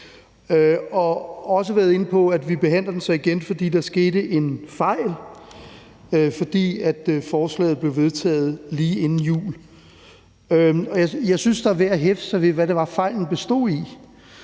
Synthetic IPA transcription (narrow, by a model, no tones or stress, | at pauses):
øɒ̽ɒ̽s̬əʋæːɐð̞ˠe̝nəpʰɒ̽æd̥ʋib̥e̝ɦæn̰d̥ɐd̥en̩sɒ̽iɡ̥enfɒ̽d̥ḭːd̥ɑ̈ɐsɡ̥e̝ːɾəʔe̝nfɑ̈ɪ̰l | øfɒ̽d̥ḭːæd̥fɒːslɛ̰ːð̩ˠb̥le̝ʊʋe̝ð̞ˠt͡sʰɛ̰ːð̞̩ˠliːe̝nn̩jṵːl | øɒ̽jɑjɑ̈ɪsynsd̥ɑæʋeɐ̰ɦefsɑʋeʋæɾe̝ʋɑ̈fɑ̈ɪ̰ln̩b̥e̝sd̥o̝̰ːi